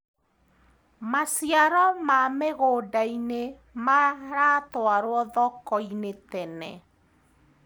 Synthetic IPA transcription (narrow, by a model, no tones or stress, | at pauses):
masjaɾɔmameɣodaine | maɾatwaɾwɔðɔkɔinetɛnɛ̰